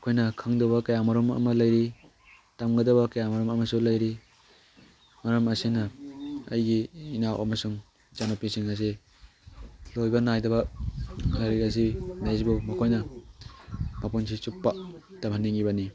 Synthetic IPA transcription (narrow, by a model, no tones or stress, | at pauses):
ɐkʰojnɐkʰaŋdobɐkajamaɾɔmɐ̰mɐlɐjɾi | tamɡɐdɐbɐkajamaɾɔmɐmɐsulɐjɾi | maɾɐmɐsinɐɐ̰jɡiːnawʔɐ̰mɐsuŋ | t͡ʃanopisiŋazi | lojbɐnajdɐβɐ | laɾikazimesbumɐkʰojnɐ | mapunsit͡ʃupːatamhanːiŋibɐni